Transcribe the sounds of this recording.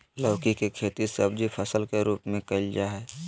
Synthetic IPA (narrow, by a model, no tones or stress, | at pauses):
lɔːkikekʰeːt̪isəbd͡ʒipʰəsəlkeɾuːpmẽkɐld͡ʒaːɦɛː